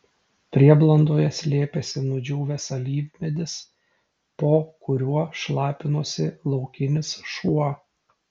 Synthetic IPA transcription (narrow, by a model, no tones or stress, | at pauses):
pʲɾʲiɛblˠɐnd̪oːjɛsʲlʲeːpʲesʲɪnʊd͡ʒʲuːʋʲɛsɐlʲiːʋʲmʲɛd̪ʲɪs | poːkʊɾʲuɔʃlˠɑːpʲɪnuɔsʲɪlˠɒʊkʲɪnʲɪsʃuɔ